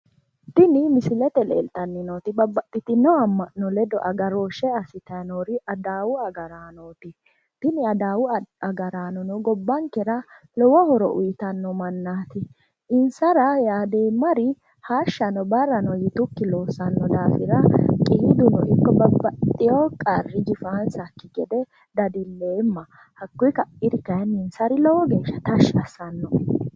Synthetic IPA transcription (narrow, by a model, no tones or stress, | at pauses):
t̪ɪnɪmɪsɪlɛt̪ɛlḛːlt̪ɐnːɪnoːt̪ɪbɐbːɐt̪ʼːɪt̪ɪnːɔɐmːɐnːɔlɛd̪ɔʔɐɡɐɾoːʃɛɐsɪt̪ɐnoɾɪɐd̪aːwʊɐɡɐɾaːnoːt̪ɪ | t̪ɪnɪɐd̪aːwʊɐɡɐɾaːnɔnɔɡɔbːɐŋkːɛɾɐ | lɔwɔhɔɾɔ̰ʔʊ̰jɪt̪ɐnːɔmɐnːaːt̪ɪ | ɪnsɐɾɐjaːd̪eːmːɐɾɪ | haːʃːɐnɔbɐrːɐnɔjɪt̪ʊkːɪlo̞ːsɐnːɔd̪aːfɪɾɐkʼiːd̪ʊnɔʔɪkːɔbɐbːɐt̪ʼːɪjɔkʼɐrːɪd͡ʒɪfaːnsɐkːɪɡɛd̪ɛ | d̪ɐd̪ɪlːeːmːɐ | hɐkːʊjkɐʔɪɾɪkɐjɐnːɪnsɐɾɪlɔwɔɡe̞ːʃːɐt̪ɐʃɐsɐnːɔ